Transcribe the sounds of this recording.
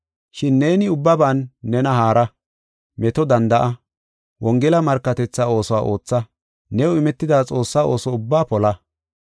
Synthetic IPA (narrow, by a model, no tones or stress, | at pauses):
ʃɪnːe̞ːnɪʊbːɐbanːɛnɐɦaːɾɐ | mɛt̪ɔd̪ɐnd̪ɐʔɐ | wʔɔŋɡɛlɐmɐɾkːɐt̪ɛt͡sːao̞ːsɔwaːʔo̞ːt͡sːɐ | nɛʊɪmɛt̪ːɪd̪aːt͡sʼo̞ːsːaːʔo̞ːsɔʊbːaːpɔlɐ